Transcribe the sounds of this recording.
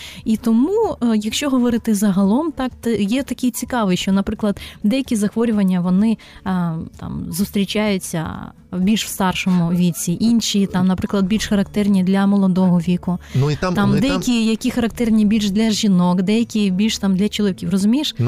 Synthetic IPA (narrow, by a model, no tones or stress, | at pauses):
it̪ɔmujɐkʃt͡ʃɔɦɔʋɔɾɪt̪ɪzɐɦɐlˠɔmt̪ɑkt̪ɔjɛt̪ɐkʲɪjt͡sʲikɑʋɪjʃt͡ʃɔnɐpɾɪklˠɐd̪d̪ɛjɐkʲizɐxʋɔɾʲʊʋɐnʲːɐʋɔnɪ | t̪ɑ̰mzʊst̪ɾʲit͡ʃajʊt͡sʲːɐ̰ | bʲilʲʃw̥st̪ɑrʃɔmʊʋʲit͡sʲiʔinʲʃit̪ɑmnɐpɾɪklˠɐd̪̚bʲilʲʃxɐɾɐkt̪ɛrnʲid̪lʲɐmɔlˠɔd̪ɔɦɔʋʲikʊt̪t̪ɑmd̪ɛjɐkʲijɐkʲixɐɾɐkt̪ɛrnʲibʲilʲʃd̪lʲɐʒinɔkd̪ɛjɐkʲibʲilʲʃt̪ɑmd̪lʲɐt͡ʃɔlˠɔʋʲikʲiwrɔzʊmʲiʃ